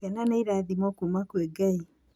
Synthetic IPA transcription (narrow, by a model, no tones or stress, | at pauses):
ɛnaneiɾaðimɔkuːmakwɛɡai